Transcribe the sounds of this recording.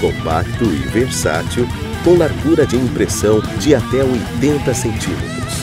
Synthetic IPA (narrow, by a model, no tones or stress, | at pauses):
kõpa̰k̚t̪ʊɪ̰veɾsa̰t͡ʃʊ | kõw̃laɾɡuɾɐd͡ʒɪĩpɾesɐ̃w̃d͡ʒɪat̪ɛojt̪ẽnt̪ɐsẽnt͡ʃimḛt̪ɾʊs